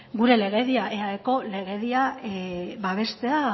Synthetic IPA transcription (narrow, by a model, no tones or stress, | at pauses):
ɡuɾe̞le̞ɣ̞e̞ðiaʔe̞aðeko̞le̞ɣe̞ðia | βaβ̞e̞st̪e̞a